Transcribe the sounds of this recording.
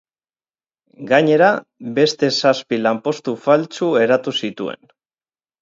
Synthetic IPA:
ɡaɲe̞ɾabe̞st̪e̞saspilampo̞st̪ufalt͡sue̞ɾat̪usit̪ue̞̰n

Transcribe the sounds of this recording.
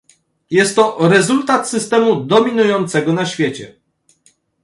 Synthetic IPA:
jɛst̪ːɔɾɛzult̪at̪sɘst̪ɛmud̪ɔmʲinujɔnt̪sɛɡɔnaɕfʲjet͡ɕɛ̰

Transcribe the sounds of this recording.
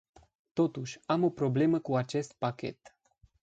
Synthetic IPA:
t̪o̞t̪uʃʲamo̞pɾo̞ble̞məkuat͡ʃe̞st̪̚pakʲe̞̰t̪

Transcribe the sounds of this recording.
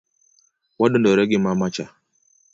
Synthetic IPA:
wadundɔɾɛɡɪmamat͡ʃa

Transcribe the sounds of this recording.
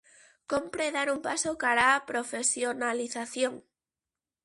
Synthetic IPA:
kompɾeðaɾumpasokaɾapɾofesjonaliθaθjoŋ

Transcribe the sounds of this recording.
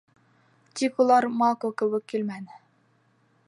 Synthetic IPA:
t̪ikulˠɑɾmɑlˠkowkɘ̆wɘkːilmænɘ

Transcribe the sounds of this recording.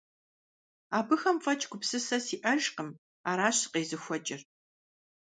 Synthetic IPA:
aːbɨxɐmfɐt͡ʃʼɡʷʊpsɨsɐsiːʔɐʒqəm | aːɾaːɕɨ̥qeːzɨxʷɔt͡ʃʼɪr

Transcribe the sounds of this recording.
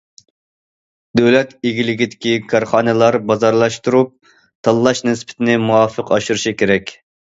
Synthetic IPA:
d̪̥øwlɛt̪eɡʲilɪɡʲid̪ɪkʲikʰɑɾχɑːnɨlˠɑɾbɑzɑɾlˠɑʃt̪uɾup̚ | t̪ʰɑlˠːɑʃnɪspʰɪ̥t̪ʰɪnɪmuɑfəqɑʃuɾɨʃikʲeɾɛkʲ

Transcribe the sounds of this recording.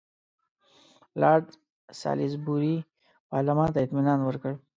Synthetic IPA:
lɑːd̪ | sɑ̰ːlɪsbuɾi | pɑːɾlamɑːnt̪aɪt̪minɑːnwəɾkəɽ

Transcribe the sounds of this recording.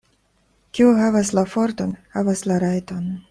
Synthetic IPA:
kʲiuɦavaslafo̞ɾt̪o̞nhavaslaɾajton

